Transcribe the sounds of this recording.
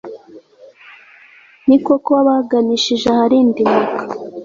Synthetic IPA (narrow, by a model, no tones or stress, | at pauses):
nikokoaβaɡaniʃiʒehaɾiːndimukḁ